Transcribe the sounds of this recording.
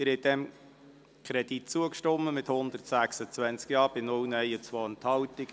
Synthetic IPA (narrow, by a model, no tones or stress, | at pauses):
ɪɾhɛt̚d̪ɛm | kʰχɾɛd̪it̚t͡suəkʃtɔmːəmɪt̪hʊnd̪əɾtsæχsət͡svænt͡skjɑːɾb̥ɪnʊlnɛjət͡sʋɔːənthɑlt̪ɪɡ